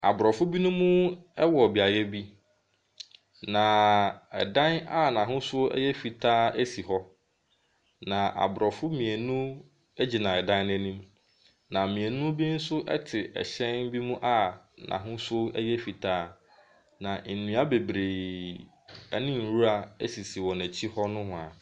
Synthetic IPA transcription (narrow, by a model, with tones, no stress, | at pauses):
a̰˨bɾɔ˨fʊ˦bi˦nʊ̃˦mũ˦ɛ˦wɔ˨bi˨a˨jɛ˦bi˦ | nã˨ɛ̰˨dã˦na˦nã˨ɦʊ̃˦sʊ˦ɛ̰˦jɛ˦fi˨tʰaː˦æ˦si˨ɦɔ˦ | nã˨ʔa̰˨bɾɔ˨fʊ˦mĩ˨e˨nũ˦ | ɛ˦d͡ʑi˨nã˨ɛ˨dã˦n˦nɛ̃˦nĩ˦m | nã˨mĩ˨e˨nũ˦bi˦n̩˦sʊ˦ʔɛ̰˦tʰɪ˨ʔɛ̰˨ɕɛ̃˦nbi˦mũ˦ʔa˦nã̰˨ɦʊ̃˦sʊ˦ɛ˦jɛ˦fi˨tʰaː˦ | nã˨n̩˨nũ˨˦a˦be˨bɾe˨ | æ̰˦nɪ̃˦n̩˨ɾu˦ɾa˨æ˦si˨si˨wɔ̃˨næ̃˨t͡ɕʰi˦hɔ˦nʊ̃˦hʊ̃˨a˨